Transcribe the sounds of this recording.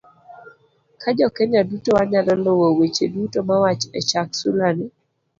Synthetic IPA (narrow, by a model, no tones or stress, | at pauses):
kʰad͡ʒɔkɛɲadutowaɲalɔnɔwowet͡ʃedutomawat͡ʃɛ̰t͡ʃaksulani